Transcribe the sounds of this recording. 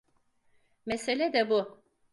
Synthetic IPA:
meselʲɛd̪ɛbu

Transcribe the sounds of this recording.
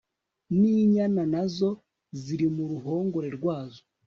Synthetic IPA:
niːɲananazo̞ | ziɾimuɾuɦo̞ːŋɡo̞ɾe̞ɾɡwaːzo

